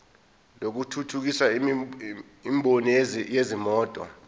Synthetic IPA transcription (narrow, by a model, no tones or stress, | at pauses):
lok̬utʰutʰuk̬isa | imɓʱonijezimɔːtʼɔ̰